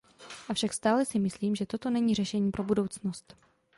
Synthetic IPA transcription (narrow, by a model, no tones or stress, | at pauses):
ʔafʃakst̪aːlɛsɪmɪsliːmʒɛt̪o̞t̪o̞nɛɲiːr̝ɛʃɛɲiːpɾʔo̞budo̞wt͡sno̞st̪